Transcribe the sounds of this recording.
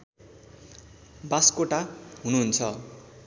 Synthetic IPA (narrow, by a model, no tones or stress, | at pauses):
baskoʈaɦunuɦunt͡sʰʌ